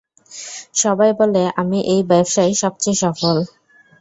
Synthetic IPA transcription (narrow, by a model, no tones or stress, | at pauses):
ʃɔbajboleʔamiʔejbajbʃajʃɔbt͡ɕejʃɔfol